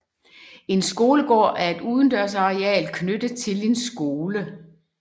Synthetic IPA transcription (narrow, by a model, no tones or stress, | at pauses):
e̝nsɡ̥o̝ːləɡ̥ɒ̰ːʔæɐe̝d̥uːðˠn̩d̥ɶɐ̰s̬ɑ̈ʁeɛ̰ːlkʰnød̥ət͡sʰe̝le̝nsɡ̥o̝ːlə